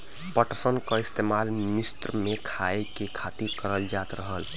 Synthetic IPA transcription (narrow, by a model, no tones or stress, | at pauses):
pəʈəsənkəɪst̪emalmist̪ɾmẽkʰaekekʰat̪ikəɾəld͡ʒaːt̪ɾəɦəl